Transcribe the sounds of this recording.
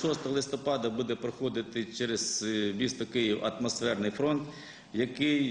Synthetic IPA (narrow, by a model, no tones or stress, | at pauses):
ɔst̪ɐlˠɪst̪ɔpɑd̪ɐbud̪ɛpɾɔxɔd̪ɪt̪ɪt͡ʃɛɾezbʲist̪ɔkɪjiwɐ̰t̪mɔsfɛrnɪjfɾɔnt̪ | jɐkɪj